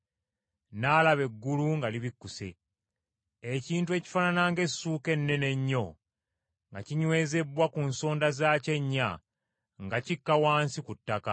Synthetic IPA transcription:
nalaβe̞ɡːuluŋɡaliβikːuse̞̰ | eciːntue̞ːci̥fananaŋɡe̞suːke̞nːe̞ne̞ɲːo̞ | ŋɡaciɲwe̞ːze̞bwakunso̞ːndazaːce̞ɲːa | ŋɡacikːawaːnsikutːaka

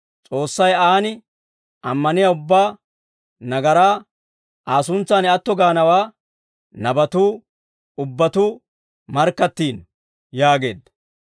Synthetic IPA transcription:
t͡sʼo̞ːsːɐjaːnɪ | ʔɐmːɐnɪjaʊbːaː | nɐɡɐɾaː | ʔaːsʊnt͡sːaːnɛɐt̪ːɔɡaːnɐwaː | nɐbɐt̪uː | ʊbːɐt̪uː | mɐɾkːɐt̪ːiːn | jaːɡe̞̰ːd̪ɐ

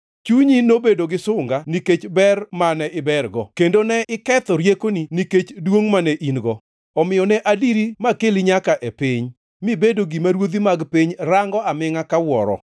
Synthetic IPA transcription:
t͡ʃuɲinobedoɡɪsʊŋɡaniket͡ʃbɛrmanɛʔɪbɛɾɡɔkendonɛɪkɛt̪ɔɾjekoniniket͡ʃdwoŋmanɛʔinɡɔ | ɔmɪjɔnɛʔadiɾimakeliɲakaʔepɪɲ | mibedoɡimaɾwod̪imaɡpiɲɾaŋɡɔamɪŋakawɔɾɔ̰

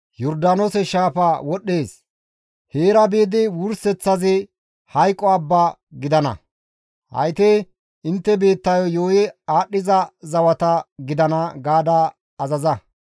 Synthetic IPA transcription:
jɔɾd̪aːnosɛʃaːfɐwɔɗːe̞ːs | heːɾɐbeːd̪ɪwʊɾsɛt͡sːɐzɪ | hɐjkʼːɔɐbːa | ɡɪd̪ɐnɐ̰ | hɐ̰jt̪e | ɪnt̪ːɛbe̞ːt̪ːɐjɔjoːjɛaːɗːɪzɐzɐwɐt̪ɐɡɪd̪ɐnɐɡaːd̪aː | zɐzɐ

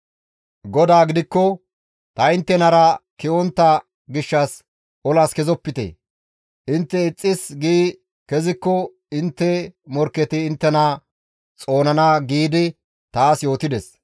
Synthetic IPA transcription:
ɡɔd̪aːɡɪd̪ɪkːɔ | t̪ɐɪnt̪ːɛnɐɾɐkɪɔnt̪ːɐ | ɡɪʃːɐs | ʔɔlaskɛzɔpːɪt̪ḛː | ʔɪnt̪ːɛɪt͡sʼːɪsɡiː | kɛzɪkːɔ | ɪnt̪ːɛmɔɾkːɛt̪ɪːnt̪ːɛnɐ | t͡sʼo̞ːnɐnɐɡiːd̪ɪ | t̪aːsjo̞ːt̪ɪd̪ɛs

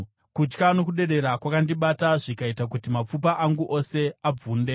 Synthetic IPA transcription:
kut͡ʃkano̞kuɗe̞ɗe̞ɾakwakandiɓataʐikaitak̬utimap͡fupaʔaŋɡuʔo̞se̞ab͡vuːnde̞

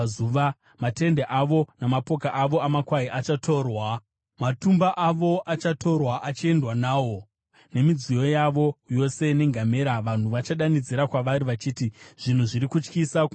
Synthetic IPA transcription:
uʋa | mate̞ndeʔaʋo̞namapo̞kaʔaʋo̞amakwaiʔat͡ʃatʰo̞ːrwa | matumbaʔaʋo̞ʔat͡ʃato̞rwaʔat͡ʃie̞ndwanaːwo̞ | ne̞mid͡zijo̞jaʋo̞jo̞se̞ne̞ŋɡʱame̞ɾaʋan̤uʋat͡ʃaɗanid͡ziɾakwaʋaɾiʋat͡ʃiːtiʐ̥in̤uʐiɾikut͡ʃkisa

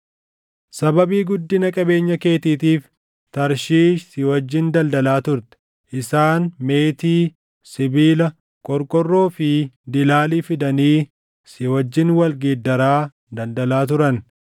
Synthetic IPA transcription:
sɐbɐbiːɡʊd̪ːɪnɐkʼɐbe̞ːɲːɐke̞ːt̪iːt̪iːf | t̪ɐɾʃiːʃsɪwɐd͡ʒːɪnd̪ɐld̪ɐlaːt̪ʊɾt̪ɛ̥ | ʔɪsaːnme̞ːt̪iː | sɪbiːlɐ | kʼɔɾkʼɔrːo̞ːfɪd̪ɪlaːliːfɪd̪ɐniː | sɪwɐd͡ʒːɪnwɐlɡeːd̪ːɐɾaː | d̪ɐld̪ɐlaːt̪ʊɾɐn

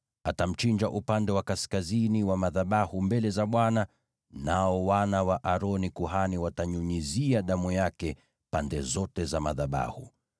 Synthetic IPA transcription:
atam̩t͡ʃind͡ʒaʔupandɛwakaskaziniwamaðaɓahumbɛlɛzaɓwana | naɔwanawaʔaɾɔnikuhaniwataɲuɲiziaɗamujakɛ | pandɛzɔtɛzamaðaɓa̰hṵ

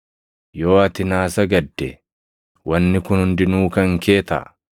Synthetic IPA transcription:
jo̞ːɐt̪ɪnaːsɐɡɐd̪ːɛ | wɐnːɪkʊnhʊnd̪ɪnuːkɐŋke̞ːt̪ɐ̰

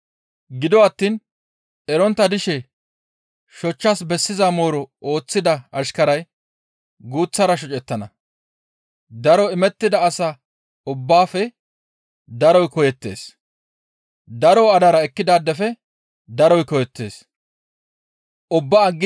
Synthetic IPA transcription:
ɡɪd̪ɔɐt̪ːiːn | ɛɾɔnt̪ːɐd̪ɪʃɛ | ʃɔt͡ʃːasbɛsːɪzamo̞ːɾɔo̞ːt͡sːɪd̪ɐɐʃkɐɾɐj | ɡuːt͡sːɐɾɐʃ̬ɔt͡ʃʼɛt̪ːɐnɐ̰ | d̪ɐɾɔɪmɛt̪ːɪd̪ɐːsɐ | ʊbːaːfɛ | d̪ɐɾɔjkɔjɛt̪ːe̞̰ːs | d̪ɐɾɔwɐd̪ɐɾɐɛkːɪd̪aːd̪ːɛfɛ | d̪ɐɾɔjkɔjɛt̪ːe̞̰ːs | ʔʊbːaːɡːɪ

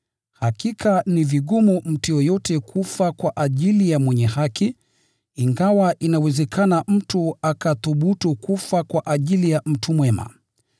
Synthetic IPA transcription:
hakikʰaniviɠumum̩tujɔjɔtɛkʰufakwaʔaʄilijamwɛɲɛhakiː | ŋɡawaʔinawɛzɛkʰanam̩tuakaθuɓutukufakwaʔaʄilijam̩tʰumwɛma̰

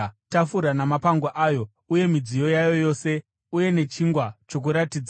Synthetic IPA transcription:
tafuɾanamapaŋɡwaʔaːjo̞ | uje̞mid͡zijo̞jajo̞jo̞se̞ | uje̞ne̞t͡ʃiŋɡwat͡ʃo̞k̬uɾatiːd͡z

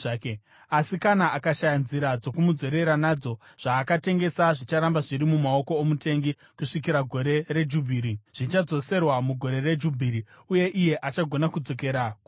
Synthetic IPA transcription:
ke | asikanaʔakaʃajanziɾad͡zo̞kumud͡zo̞ɾe̞ɾanaːd͡zo̞ʐ̥aːkate̞ŋɡe̞saʐit͡ʃaɾambaʐiɾimumao̞ko̞ːmute̞ŋɡi | kuʂikiɾaɡʱo̞ɾe̞ɾe̞d͡ʒubʱiːɾiʐ̥it͡ʃad͡zo̞se̞rwamuɡʱo̞ɾe̞re̞d͡ʒubʱiɾi | uje̞ʔije̞ʔat͡ʃaɡʱo̞nakud͡zo̞ke̞ɾaku

